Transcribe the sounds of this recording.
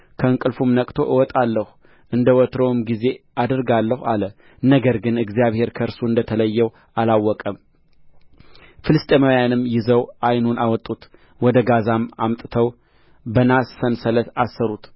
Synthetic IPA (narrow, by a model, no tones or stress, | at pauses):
kʰəɨŋkʼɨlfumnəkʼt̪ʰo̞ʔɨwɔt̪ʼalːəhu | ʔɨnd̪əwɔt̪ɾomɡize̞ʔad̪ɨɾɡalːəhalə | nəɡəɾɡɨnɨɡzijaβhe̞ɾkʰəɾsuɨnd̪ət̪ʰələjːɛw | alawːɔkʼəm | fɨlɨst̪ʼeməjanɨmːjɪzəwʔajnunawɔt̪ʼut̪ | wɔd̪əɡazamamt̪ʼɨt̪ʰəw | bənasfənsələt̪asːəɾut̪